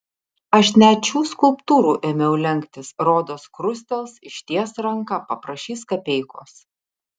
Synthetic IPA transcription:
ɐʃnʲætt͡ʃʲuːskʊlˠpt̪uːɾuːʔemʲɛʊlʲɛŋʲkt̪ʲɪsɾoːd̪oːskɾʊsʲt̪ʲɛlˠsɪʃʲt̪ʲiɛsɾɐŋkɑpɐpɾɐʃʲiːskɐpʲɛɪkoːs

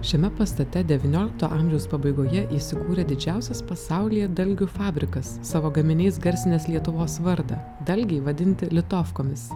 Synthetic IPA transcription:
ʃʲɛmʲɛpɐst̪ɐt̪ʲɛd̪ʲɛʋʲɪnʲoːlʲɪk̚t̪oːʔɐːmʲʒʲɛʊspɐbɐɪɡoːjɛʔiːsʲɪkuːɾʲɛd̪ʲɪd͡ʒʲæˑʊsʲɛspɐsɑˑʊlʲijɛd̪ɐlʲɡʲʊfɑːbʲɾʲɪkɐsːɑːʋoːɡɐmʲɪnʲɛɪsɡɐɾʲsʲɪnʲeːslʲiɛt̪ʊʋoːsʋɐɾd̪ɐ | d̪ɐlʲɡʲɛɪʋɐd̪ʲɪnʲt̪ʲɪlʲɪt̪oːfkoːmʲɪs

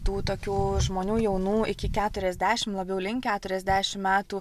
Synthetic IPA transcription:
t̪uːt̪oːkʲuːʒmoːnʲuːjɛʊnuːɪkʲɪkʲæːt̪ʊɾʲɛzʲd̪ʲæːʃʲɪmlˠɐbʲɛʊlʲɪŋkkʲæːt̪ʊɾʲɛzʲd̪ʲæːʃʲɪmmʲæːt̪uː

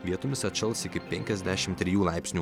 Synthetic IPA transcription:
ʋʲiɛt̪ʊmʲɪsɐt̪ʲʃʲɛlˠsɪkʲɪpʲɛŋʲkʲɛzʲd̪ʲæːʃʲɪmt̪ʲːɾʲɪjuːlˠɑˑɪpʲsʲnʲuː

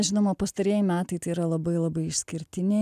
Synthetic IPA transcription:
ʒʲɪnoːmɐpɐst̪ɐɾʲiɛjɪmʲæːt̪ɐɪt̪ɐɪiɾɐlˠɐbɐɪlˠɐbɐɪɪʃʲsʲkʲɪɾʲt̪ʲɪnʲe

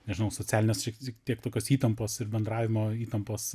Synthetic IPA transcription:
nʲɛʒʲɪnɐʊsoːt͡sʲæːlʲɪnʲeːsʃʲɪkʲɪkt̪ʲiɛkt̪oːkʲoːsiːt̪ɐmpoːsɪrbʲɛnd̪ɾɑːʋʲɪmoːiːt̪ɐmpoːs

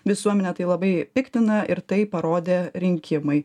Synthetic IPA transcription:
ʋʲɪsuɔmʲɛnʲɛt̪ɐɪlˠɐbɐɪpʲɪkt̪ʲɪnɐʔɪɾt̪ɐɪpɐɾoːd̪ʲeːɾʲɪŋʲkʲɪmɐɪ

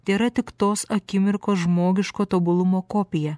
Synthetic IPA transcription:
d̪ʲeːɾɐt̪ʲɪkt̪oːsɐkʲɪmʲɪɾkoːsʒmoːɡʲɪʃkoːt̪obʊlˠʊmoːkoːpʲɪjɛ

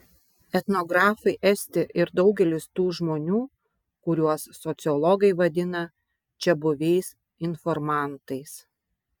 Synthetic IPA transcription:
ɛt̪nɔɡɾɑːfɐɪʔɛsʲt̪ʲɪʔɪɾd̪ɒʊɡʲɛlʲɪst̪uːʒmoːnʲuː | kʊɾʲuɔsːɔt̪sʲɨɔlˠɔɡɐɪʋɐd̪ʲɪnɐ | t͡ʃʲɛbʊʋʲɛɪs | ɪnfɔɾmɑˑnt̪ɐɪs

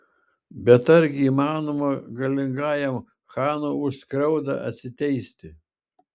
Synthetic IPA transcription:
bʲɛt̪ɐɾʲɡʲɪiːmɑːnomɐɡɐlʲɪŋɡɑːjɛm | xɑːnoʊʃskɾɐʊd̪ɐ̰ʔɐ̰t̪ʲsʲɪt̪ʲɛɪsʲt̪ʲɪ

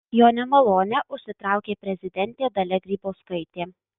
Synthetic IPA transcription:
joːnʲɛmɐlˠoːnʲɛʔʊʃʲsʲɪt̪ɾɑˑʊkʲeːpʲɾʲɛzʲɪd̪ʲɛnʲt̪ʲeːd̪ɐlʲɛɡɾʲiːboːskɐɪt̪ʲeː

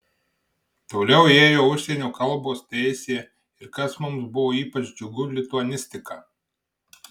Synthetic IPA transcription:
t̪oːlʲɛʊeːjoːʊʃʲsʲɛnʲoːkɐlˠboːst̪ʲɛɪsʲeː | ɪɾkɐsmʊmsbʊʋoːiːpɐt͡ʃd͡ʒʲʊɡʊlʲɪt̪ʊɐnʲɪsʲt̪ʲɪkɑː

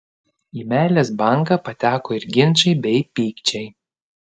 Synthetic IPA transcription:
iːmʲæːlʲeːsbɐˑŋkɐpɐt̪ʲæːkoːɪɾɡʲɪnʲˑt͡ʃɐɪbʲɛɪpʲiːkt͡ʃʲɛɪ

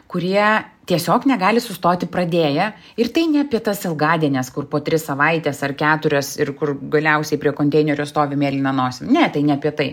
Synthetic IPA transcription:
kʊɾʲiɛt̪ʲiɛsʲoːknʲɛɡɑːlʲɪsʊst̪oːt̪ʲɪpɾɐd̪ʲeːjɛ | ɪrt̪ɐɪnʲɛɐpʲiɛt̪ɐsɪlˠɡɑːd̪ʲiɛnʲɛskʊrpoːt̪ʲɾʲɪssɐʋɐɪt̪ʲɛsɐrkʲæːt̪ʊɾʲɛsɪrkʊrɡɐlʲɛʊsʲɛɪpʲɾʲiɛkoːnʲt̪ʲɛɪnʲɛɾʲʊst̪oːʋʲɪmʲeːlʲɪnɐnoːsʲɪmnʲɛt̪ɐɪnʲɛɐpʲiɛt̪ɐɪ

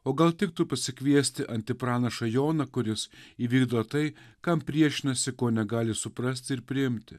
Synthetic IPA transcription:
oːɡɐlˠt̪ʲɪk̚t̪upɐsʲɪkʋʲiɛsʲt̪ʲɪʔɐnʲt̪ʲɪpɾɑːnɐʃɐjoːnɐkʊɾʲɪsiːʋʲiːɡd̪oːt̪ɐɪkɐmpʲɾʲiɛʃʲɪnɐsʲɪkoːnʲɛɡɑːlʲɪsʊpɾɐsʲt̪ʲɪɪɾpʲɾʲɪɪmʲt̪ʲɪ

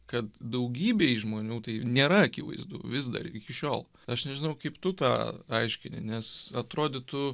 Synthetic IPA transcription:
kɐt̪̚d̪ɐʊɡʲiːbʲeːʒmoːnʲuːt̪ɐɪnʲeːɾɐɐkʲɪʋɐ̰ɪzd̪ṵːʋʲɪs̬d̪ɐ̰ɾɪkʲɪʃʲoːlˠ | ɐʃnʲɛʒʲɪnɐʊkɐɪpt̪ʊt̪ɑ̰ːɐɪʃʲkʲɪnʲɪ̰nʲɛsɐt̪ɾoːd̪ʲɪt̪ʊ

